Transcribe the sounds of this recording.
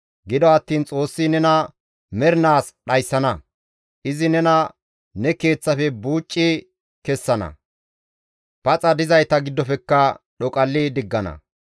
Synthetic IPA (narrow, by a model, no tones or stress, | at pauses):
ɡɪd̪ɔɐt̪ːiːnt͡sʼo̞ːsːinɛnɐ | mɛɾnaːsɗɐjsːɐnɐ | ʔɪzɪnɛnɐ | nɛke̞ːt͡sːɐfɛbuːt͡ʃʼːɪ | kɛsːɐnɐ̰ | pɐt͡sʼɐd̪ɪzɐjt̪ɐɡɪd̪ːɔfɛkːɐɗɔkʼɐlːɪd̪ɪɡːɐnɐ̰